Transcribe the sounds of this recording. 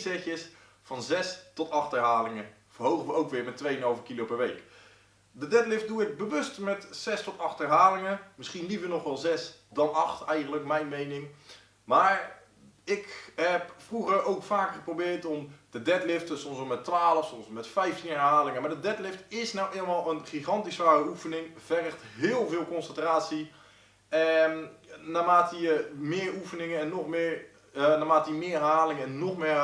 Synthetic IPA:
zɛxjəs | fɑnzɛstɔtɑχtɛɹɦaːlɪŋə | v̥əɹɦowχəʋəowkʋɪːɹmɛtːʋejənɑlˠvəkilowpɛɹʋejk | dədɛtlɪft̚duɪɡ̚bəʋɵstmɛtz̥ɛstɔtɑχtɛɹɦaːlɪŋəmɪsχinlivəɹnɔχʋɛlˠzɛsdɑnɑχtɛjχəntləkmɛjnmejnɪŋ | maːɹ | ɪkɦɛpfruχəɹowkfaːkχəprowbɪːɹtɔmd̥ədɛtlɪftəsɔmsəmɛtːʋaːləfsɔmsmɛtfɛjftinɛɹɦaːlɪŋəmaːɹdədɛtlɪftɪsnawʔeːlˠəmaːlˠənχiχɑntisʋaːrəufənɪŋv̥ɛrəχtɦɪːlˠvɪːlˠkɔnsəntraːtsi | ɛnnaːmaːtəjəmɪːɹufənɪŋənɛnːɔχmɪɹ | naːmaːtəimɪːɹɛrɦaːlɪŋənɛnːɔχmɪː

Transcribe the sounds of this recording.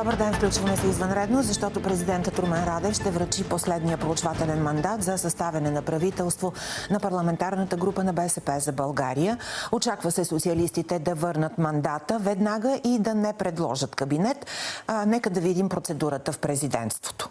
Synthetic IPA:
d̪ɔbəɾd̪ɛnfklʲut͡ʃvəmɛsɛizvənɾɛd̪nozɐʃt̪ɔt̪opɾɛzid̪ɛnt̪ət̪ɾumɛnɾad̪ɛfʃt̪ɛvɾɐt͡ʃiposlɛd̪nijəpɾoːt͡ʃvat̪ɛlɛnmɐnd̪at̪zɐsɐst̪avɛnɛnɐpɾɐvit̪ɛlˠst̪vonɐpɐɾlˠɐmɛnt̪aɾnət̪əɡɾupənɐbɛsɛpɛzɐbɐlˠɡaɾijəot͡ʃakvəsɛsot̪siəlist̪it̪ɛd̪ɐvɤɾnət̪mɐnd̪at̪əvɛd̪naɡəʔid̪ɐnɛpɾɛd̪lˠɔ̰ʒət̪kɐbinɛt̪nɛkəd̪ɐvid̪impɾot̪sɛd̪uɾət̪əfpɾɛzid̪ɛ̰nt̪st̪vo̥t̪o̥

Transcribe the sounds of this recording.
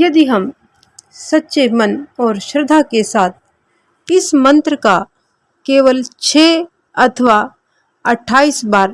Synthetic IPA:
jɐd̪iɦɐm | sɐtːʃemɐnɔːɾʃɾəd̪ʱakesaːt̪̚ʰ | ɪsmə̃nt̪ɾəka | keːʋəlt͡ʃʰeː | ɐt̪ʰʋa | ɐʈʰːaːiːsbaːɾ

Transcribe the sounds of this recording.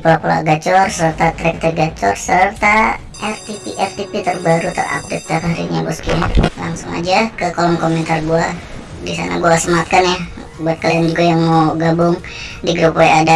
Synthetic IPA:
polapola̰ɡat͡ʃɔrsərt̪at̪ɾɛk̚t̪ɛɡat͡ʃɔrsərt̪a | ʔɛft̪ipiʔɛft̪ipit̪ərbaɾut̪ə̰ra̰k̚t̪ɪt̚takaɾḭɲabɔskilaŋsʊŋa̰d͡ʒakəkolɔŋkomɛnt̪arɡua | disa̰na̰ɡuasəmat̪̚kanja | buat̪̚kəljand͡ʒuɡajaŋmawɡabʊŋ | diɡɾupojada

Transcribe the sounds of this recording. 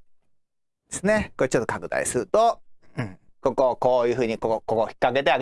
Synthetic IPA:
d̪̥esɨne̞koet͡ɕot̪ːokakɯ̟d̪a̰ḭsɨɾɯ̟t̪oɯ̟̃ɴ | ko̞koko̞ːjɯ̟ːɸɯ̟ːɲ̟ikokokoçʲi̥kːake̞t̪eaɡ

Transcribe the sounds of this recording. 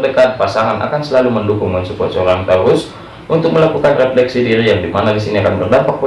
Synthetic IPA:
dəkat̪̚pasaŋanʔa̰kansəlaluməndukuŋmənt͡ʃukʊt̪̚səoɾaŋt̪aɡʊs | ʔunt̪ʊk̚məlakukanreflɛksidiɾijaŋdimanadisiniakanbərdampak̚po

